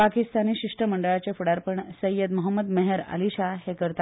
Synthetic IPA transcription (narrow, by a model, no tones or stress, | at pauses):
pakist̪aniːɕiʂʈɾəməɳɖəɭat͡ɕefuɽaɾpəɳsəjːəd̪məɦəmːəd̪meɦeɾa̰liɕahekəɾt̪a